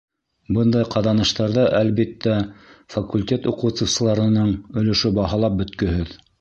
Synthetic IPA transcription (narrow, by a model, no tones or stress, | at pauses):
bɤnd̪ɑjqɑðɑnɤ̆ʃt̪ɑɾðɤʔælβit̪ːæfɐkulʲtʲet̪uqɤ̆wt̪sɤ̆wsɤ̆lˠɑɾɤ̆nɤɴɵ̆lɵ̆ʃɵbɑɦɑlˠɑp̚bɵ̆t̪kɵ̆ɦɘð